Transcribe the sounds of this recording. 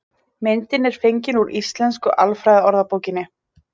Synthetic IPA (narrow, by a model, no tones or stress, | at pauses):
mɪnt̪ɪnɛɾ̥fejɲcɪnuɾist̪lɛnskʏʔalfɾajðaɔɾðapowcɪnːɪ